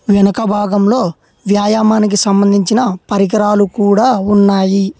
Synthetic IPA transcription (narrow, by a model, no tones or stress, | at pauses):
ʋɛnɐkɐbʱaːɡɐmlo̞ː | ʋjaːjaːmaːnik̬isɐmbɐnd̪ʱiɲt͡ʃinɐpɐɾiɡɐɾaːlukuːɽaːunːaːji